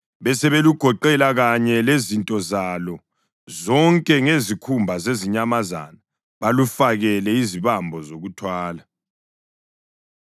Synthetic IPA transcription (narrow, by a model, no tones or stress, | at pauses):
βɛsɛβeluɡ̥ʱɔǃɛlaɣaɲɛlezintʼɔzalɔ | zɔŋkʼɛŋezikʰumbʱazeziɲamaza̰na | βalufaɣɛlɛiziβambʱɔzoɣutʰwaːla